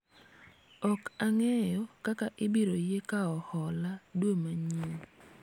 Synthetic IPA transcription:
ɔkaŋɛjɔkakaʔɪbiɾojekaɔhɔladwomaɲe

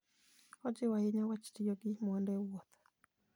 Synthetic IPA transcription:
ɔd͡ʒɪwaɪɲawat͡ʃtijoɡɪmwɔndɛwɔt̪

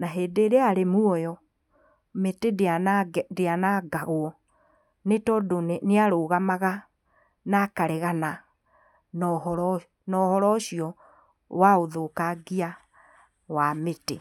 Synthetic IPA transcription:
naɦeːdeːɾeaɾemuɔjɔ | metedandeanaɡaɣwɔ | netɔːdonneaɾoɣamaɣa | nakaɾeɣana | nɔhɾ | nɔhɔɾɔɕiɔ | waoðokaɡia | wamete

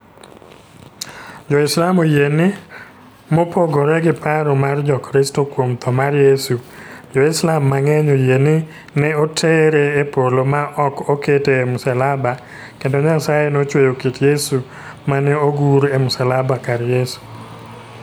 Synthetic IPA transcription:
d͡ʒɔɪslamojenɪ | mopoɡoɾɛɡɪpʰaɾɔmard͡ʒɔkɾɪstokwomt̪ʰɔmarjesud͡ʒɔɪslamːaŋɛɲojenɪ | nɛotʰeɾeːpolomaʔɔkoketeːmusalaba | kendoɲasajenot͡ʃwejokitjesu | manɛoɡuɾemʊsalabakaɾjesu̥

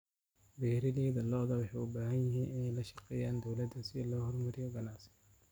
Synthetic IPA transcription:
bɛːɾɪðɛːðɐlɔðɐwɑħɑjʊbaːɦɐnjɪɦiːnɪnɛjlɐʃɑqɛːjaːnd̪ɔwlɐd̪ːɐsɪlɔːhɔrmɐɾɪjɔɡɐnaːsɐ̥n

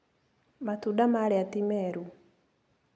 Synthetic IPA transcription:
mat̪udamaɾɛat̪imɛɾu

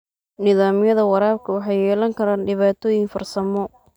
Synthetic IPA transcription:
nɪðaːmɪjɐðɐwɑɾaːbkʰɐwɑħɑjɛːlɐŋkʰɐɾaːnɖɪβaːt̪ʰɔjɪŋfɐrsɐmɔ

